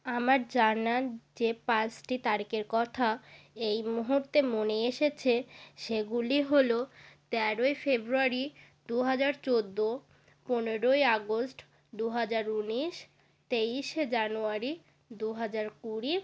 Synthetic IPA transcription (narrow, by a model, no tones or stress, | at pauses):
amaɾd͡ʑanad͡ʑepãt͡ɕʈit̪aɾikeɾkɔt̪ʰaejmuɦuɾt̪emoneeʃet͡ɕʰeʃeɡuliɦolot̪ɛɾoefebɾuaɾid̪uɦad͡ʑaɾt͡ɕod̪ːo | poneɾoeaɡosʈ | d̪uɦad͡ʑaɾuniʃ | t̪ejʃed͡ʑanuaɾi | d̪uɦad͡ʑaɾkuɾi